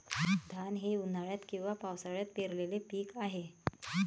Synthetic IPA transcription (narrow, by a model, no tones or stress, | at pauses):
d̪ʱanɦeun̤aɭjat̪kĩw̃ʋapawsaɭjat̪̚peɾlelepiːkaɦe